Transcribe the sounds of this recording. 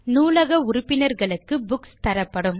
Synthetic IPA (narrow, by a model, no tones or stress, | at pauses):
nuːlɐɣɐʊɾʊpːɪnɐɾɣɐɭɯkːɯbʊkst̪ɐɾɐpːɐɽɯm